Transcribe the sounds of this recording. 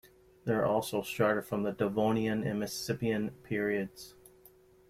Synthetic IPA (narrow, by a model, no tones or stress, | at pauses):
ðə˞ʔɔlˠsoʊstɑɹɾɨd̥fɹʌ̃mðədəvõʊ̃niɨ̃nɪ̰mɨsɪpiɨ̃npʰɪɹiɨdz̥